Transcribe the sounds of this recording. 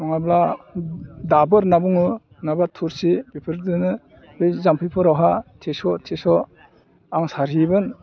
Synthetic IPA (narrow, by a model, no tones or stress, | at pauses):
nɔŋabla | dabɯɾnabuŋɯ | nabatʰuɾsibipʰɯɾdɯnɯ | bɯjzampʰipʰɯɾawɦatʰesɔtʰesɔ | aŋsaɾibɯn